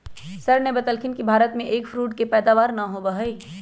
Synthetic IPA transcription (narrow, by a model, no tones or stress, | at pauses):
sɐɾnebɐt̪əlkʰinkibʱaːɾət̪mẽʔeːkfʰɾuːʈ̚kepɛːd̪aːʋaːɾnɐɦobɐɦəi